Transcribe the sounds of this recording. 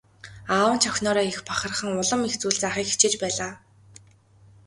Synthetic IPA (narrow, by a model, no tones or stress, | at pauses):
aːwə̆nt͡ɕʰɔxʲnɔːɾɔːixpaχə̆rχə̆ŋʊɮə̆mixt͡suːɮt͡saχiːkxi̥t͡ɕeːt͡ɕpæːɮaː